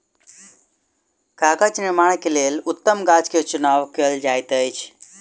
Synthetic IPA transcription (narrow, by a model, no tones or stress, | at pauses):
kakət͡ʃnɪɾmaɽ̃kelelut̪ːəmɡat͡ʃket͡ʃunaʋkeld͡ʒajt̪əjt͡ʃʰ